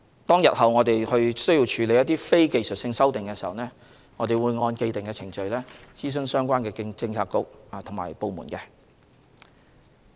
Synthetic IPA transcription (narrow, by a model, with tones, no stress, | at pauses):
t̪ɔː˥ŋjɐ˨t̚hɐ˨wŋɔː˨˧t̪e˨jhɵ˧ɥsɵ˥jiː˧wt͡ʃʰyː˨˧le˨˧jɐ˥t̪̚iː˥fe˥jke˨jsɵ˨t̚sɪ˧ŋsɐ˥wt̪ɪ˨ŋkɛː˧siː˨˩hɐ̰˨wnɛː˥ | ŋɔː˨˧t̪e˨jwuː˨˧jŋɔː˧nke˧jt̪ɪ˨ŋkɛː˧t͡sʰɪ˨˩ŋt͡ʃɵ˨˧ɥlɛː˥t͡siː˥s̬ɵ˧˥nsœː˥ŋkʷwaː˥nkɛː˧t͡sɪ˧ŋt͡sʰaː˧t̚kʊ˨k̚ːt̪ʰʊ˨˩ŋma̰ː˨˩jpo˨˧wmṵː˨˩nkɛː˧